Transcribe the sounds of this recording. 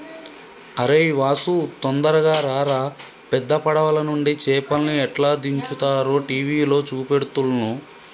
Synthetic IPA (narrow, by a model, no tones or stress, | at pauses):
ɐɾeːiʋaːsut̪ond̪ɐɾɐɡaːɾaːɾaː | pɛd̪ːɐpɐɽɐʋɐlɐnuɳɖit͡ʃɛːpɐlniɛʈlaːd̪iɲt͡ʃut̪aːɾoːʈiːʋiːlo̞ːt͡ʃuːpeɽut̪ulɐnu